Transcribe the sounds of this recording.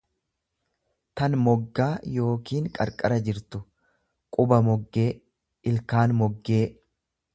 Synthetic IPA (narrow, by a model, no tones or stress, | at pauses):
t̪ɐnmɔɡːaːjo̞ːkiːŋkʼɐ̰ɾkʼɐɾɐd͡ʒɪɾt̪ʊ | kʼʊbɐmɔɡːeː | ʔɪlkaːnmɔɡːe̞ː